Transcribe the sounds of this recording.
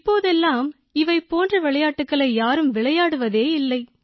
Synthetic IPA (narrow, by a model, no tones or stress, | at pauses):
ɪpːoːðɛlːaːm | ɪʋɐɪpːoːndrɐʋɪɭɐjaːʈːɯkːɐɭɐɪjaːɾɯmʋɪɭɐjaːɽɯʋɐðeːɪlːɐɪ